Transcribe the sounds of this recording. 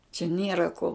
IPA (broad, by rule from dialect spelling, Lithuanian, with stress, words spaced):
t͡ʃʲɛ ˈnʲiɛrɐ koː